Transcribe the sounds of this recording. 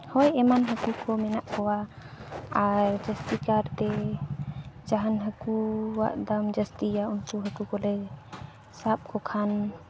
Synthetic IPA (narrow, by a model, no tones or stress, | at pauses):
hɔjɛmanɦəkukʰɔmɛnaʔkɔwa | aɾd͡ʒəst̪ikaɾt̪ɛ | d͡ʒaɦanɦəkuwa̰ʔd̪amd͡ʒəst̪ijaunkuɦəkukɔlɛ | sap̚kʰɔkʰan